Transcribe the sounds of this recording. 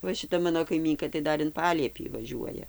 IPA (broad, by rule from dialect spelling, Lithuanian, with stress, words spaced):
ˈʋɐ ʃʲɪˈtɐ ˈmɑːnoː kɐɪˈmʲiːŋkɐ tɐɪ ˈdɐr ɪn ˈpɑːlʲiɛpʲiː ʋɐˈʒʲuɔjɛ